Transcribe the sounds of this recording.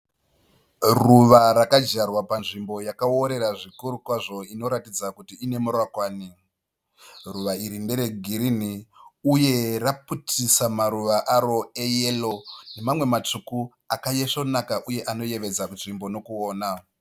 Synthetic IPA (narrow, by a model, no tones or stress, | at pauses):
ruʋaɾakad͡ʒarwapanʐimbo̞jakaoɾe̞ɾaʐikuɾukwaʐo̞ino̞ɾatid͡zakutiːne̞murwakwaːni | ruʋaiɾinde̞ɾe̞ɡʱiɾiniuje̞raputʰisamaɾuʋaʔaɾo̞eje̞lo̞ne̞mamwe̞mat͡ʂuku | akajeʂonakaʔuje̞ʔano̞je̞ʋe̞d͡zakunʐimbo̞no̞kuoːna